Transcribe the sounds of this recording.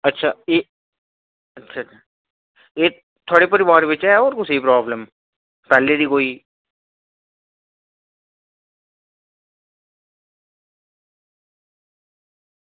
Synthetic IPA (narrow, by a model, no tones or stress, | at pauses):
ətːʃʰaːeː | ətːʃʰaa | eː | t̪ʰoːɽepəɾibaːɾebɪt͡ʃɛoːɾkʊsiipɾaːbləm | pɛːleːd̪iːkoːiː